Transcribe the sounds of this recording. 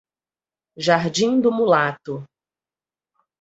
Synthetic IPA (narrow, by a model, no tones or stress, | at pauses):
ʒaɾd͡ʒĩŋd̪ʊmulat̪ʊ